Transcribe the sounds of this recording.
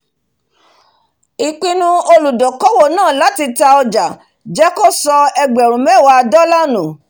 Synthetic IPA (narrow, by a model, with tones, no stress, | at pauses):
i˨k͡pĩ˧nũ˧o˧lu˨dɔ˨kɔ˦wo˦˨nãː˦˨la˨˦ti˧ta˧ɔ˧d͡ʒa˨ | d͡ʒɛ˦ko˦˨sɔ˧ɛ˧ɡ͡bɛ˨ɾ̃ũ˨mɛ˦˨wa˧˦˧dɔ˦la˦nũ˨